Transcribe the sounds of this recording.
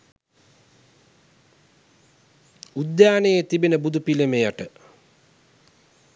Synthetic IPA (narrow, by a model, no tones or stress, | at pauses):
ud̪jaːnejet̪ibinəbud̪upilemejaʈə